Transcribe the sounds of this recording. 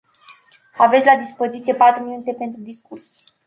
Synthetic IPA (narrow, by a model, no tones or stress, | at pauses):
avet̪sʲlad̪ispo̞zit̪sije̞pat̪ɾuminut̪e̞pe̞nt̪ɾud̪iskurs